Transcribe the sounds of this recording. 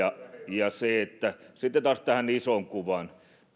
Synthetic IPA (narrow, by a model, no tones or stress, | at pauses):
ɑjɑseet̪ːæsit̪ːet̪ɑːst̪æhænisoŋkuʋɑn